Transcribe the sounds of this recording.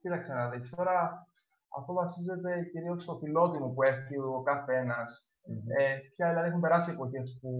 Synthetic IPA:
cit̪ɐksenɐðikst̪o̞ɾɐ | ɐ̰ft̪ovɐsize̞t̪e̞ciɾiokst̪ofilo̞t̪imupue̞ciokɐθe̞nɐs | epçɐðelːɐðiexumpe̞ɾɐsiepo̞çe̞spu

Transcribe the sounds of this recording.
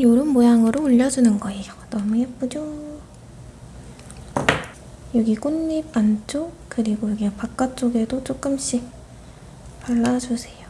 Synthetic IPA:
joɾɯnmojaŋɯɾoːʎːʌd͡ʑunɯnɡʌejodʌmuɦep͈ud͡ʑo | jʌɡik͈unːipant͡ɕ͈o | kɯɾiɡojʌɡpak̚k͈at͡ɕ͈oɡe̞dot͡ɕ͈ok͈ɯmɕ͈ik̚ | paɭːad͡ʑusʰe̞jo

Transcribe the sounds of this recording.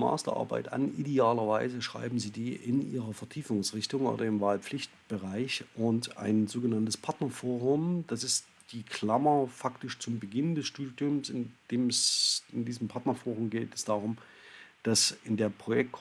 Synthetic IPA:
ma̰ːstɐ̰ʔa̰ɐba̰ɪtʔa̰nʔideaːlɐvaɪzəʃʁ̥a̰ɪbm̩ziːdiːʔɪ̰nʔḭːʁɐfɛɐtʰiːfʊŋsʁɪçtʊŋʔo̰ːɾɐɪmvaːlpp͡flɪçtb̥əʁaɪçʔʊnta̰ɪnzoːɡənantəspʰaɐtnɐfoːʁʊmd̥asɪst | d̥iːkʰl̥amɐfaktɪʃt͡sʊmbəɡɪndɛsʃtuːdjʊmsɪnd̥eːmɛsɪndiːzəmpʰaɐtnɐfoːʁʊmɡeːtɛsd̥aːʁʊm | d̥asɪndeːɐpʁ̥ojɛk̚t

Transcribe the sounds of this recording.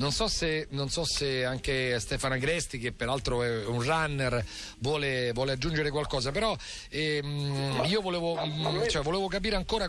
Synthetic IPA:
nonsɔsenonsɔseaŋkest̪ɛːfanaɡɾɛst̪ik̟epːeɾalt̪ɾoɛɛunranːer | vwɔːlevwɔːlead͡ʒːund͡ʒeɾekwalkɔːz̬apeɾɔ | ɛ | iːovoleːvot͡ʃɛvoleːvok̬ap̬iːɾeaŋkoːɾa

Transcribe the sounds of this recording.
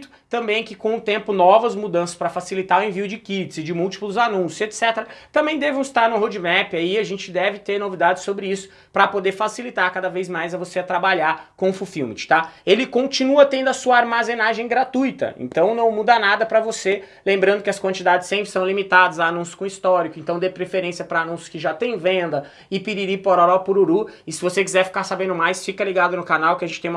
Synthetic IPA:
t̪ʊ̥t̪ɐ̃mbẽj̃kɪkõʊt̪ẽmpʊnɔvɐzmud̪ɐ̃sɐ̥spɾɐfasilit̪aʊẽviʊd͡ʒɪkit͡ʃ̪zɪd͡ʒɪmuwt͡ʃi̥plʊzanũsʊzet̪sɛt̪eɾɐt̪ɐ̃mbẽj̃d̪ɛṽist̪aɾnʊ̃ɦod͡ʒɪmɛpɪaiɐʒẽnt͡ʃɪd̪ɛvɪt̪eɾnovid̪ad͡ʒɪsobɾɪisʊ̥ | pɾɐpod̪eɾfasilit̪aɾkad̪ɐvejzmajzɐvoseat̪ɾabaʎaɾkõfufiwmɪ̰t͡ʃt̪aelɪkõnt͡ʃinuɐt̪ẽnd̪ʊɐsuɐaɾmazẽnaʒẽj̃ɡɾat̪ujt̪ɐ̰ḛ̃nt̪ɐ̃w̃nɐ̃w̃mud̪ɐnad̪ɐpɾɐvoselẽmbɾɐ̃nd̪ʊkɪɐskwɐ̃nt͡ʃid̪ad͡ʒɪsẽmpɾɪsɐ̃w̃limit̪ad̪ɐzɐanũsjʊ̥kõist̪ɔɾikʊẽnt̪ɐ̃w̃d̪eɾpɾefeɾẽsijɐpɾɐanũsjʊ̥kɪʒat̪ẽj̃vẽnd̪ɐ | ɪpiɾiɾipoɾaɾapʊɾuɾuɪsɪvosekizɛɾfi̥kaɾsabẽnd̪ʊmajsfikɐliɡad̪ʊnʊkanawkɪɐʒẽt͡ʃɪt̪ẽũm

